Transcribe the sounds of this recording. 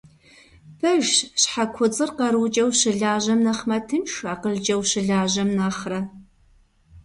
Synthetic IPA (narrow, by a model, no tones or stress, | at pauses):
pʰɐʒɕħakʷʰʊt͡sʼɨrqɐɾuːt͡ʃʼɐwɕɪɮaːʑɐmnɐχmɐtʰɨmʃaːqəɮd͡ʒʼɐwʃɪɮaːʑɐmnaːχrɐ